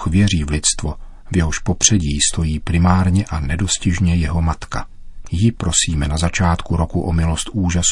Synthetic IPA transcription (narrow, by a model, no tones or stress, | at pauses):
xvjɛriːvlɪt̪st̪vo | vjɛɦoʃpo̞pr̝̥ɛɟiːst̪o̞jiːpɾɪmaːɾɲɛʔanɛdo̞scɪʒɲɛjɛɦo̞mat̪ka | jɪpɾo̞siːmɛnazat͡ʃaːt̪kuɾo̞kuʔomɪlost̪ʔuːʒas